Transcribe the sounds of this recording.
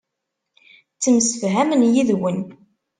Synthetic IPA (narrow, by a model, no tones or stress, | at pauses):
t͡sːəmsəfɦæmənjiðwən